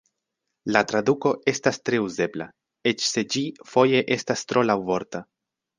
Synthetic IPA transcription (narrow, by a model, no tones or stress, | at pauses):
latɾaduko̞e̞stastɾe̞uze̞bla̰ | e̞t͡ʃse̞d͡ʒifo̞je̞ʔe̞stastɾo̞lawvo̞ɾta